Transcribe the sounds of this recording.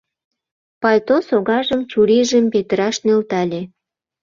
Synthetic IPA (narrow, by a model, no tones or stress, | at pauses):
pɑlʲt̪osoɣɑʒəmt͡ɕuɾiʒəmpet̪əɾɑʃnølt̪ɑlʲe